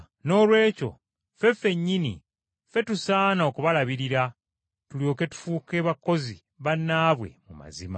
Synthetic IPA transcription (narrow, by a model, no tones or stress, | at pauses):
no̞ːlwe̞ːco̞̰ | fe̞fe̞ɲːinḭ | fe̞tusaːnao̞kuβalaβiɾiɾa | tuljo̞ːke̞tu̥fuːke̞ːβako̞zi | βanːaːβwe̞̰muma̰zima̰